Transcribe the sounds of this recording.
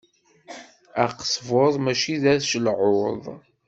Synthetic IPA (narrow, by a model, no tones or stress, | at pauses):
æqsˤvoðˤmæʃiðæðʃəlʕoðˤ